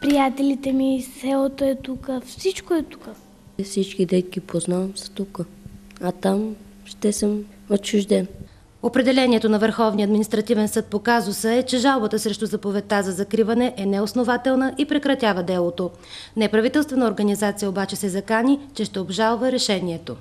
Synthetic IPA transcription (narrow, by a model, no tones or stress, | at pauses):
pɾijat̪ɛlit̪ɛmisɛlˠot̪oɛt̪ukəfsit͡ʃkoɛt̪u̥kə | fsit͡ʃkid̪ɛt̪kipʰoznavɐmsɐ̥t̪ukə | ɐt̪am | ʃt̪ɛsəm | ot͡ʃːʊʒd̪ɛn | opɾɛd̪ɛlɛniɛt̪onɐvəɾxɔvniəɐd̪minist̪ɾɐt̪ivɛnsɤt̪̚pokazʊsəɛt͡ʃɛʒalˠbət̪əsɾɛʃt̪ʊzɐpovɛt̪azɐzɐkɾivɐnɛʔɛnɛosnovat̪ɛlˠnəʔipɾɛkɾɐt̪ʲjavɐd̪ɛlˠot̪o | nɛpɾɐvit̪ɛlˠst̪vɛnəoɾɡənizat̪sijəobat͡ʃɛsɛzɐkanit͡ʃɛʃt̪ɛobʒalˠvəɾɛʃɛniɛt̪o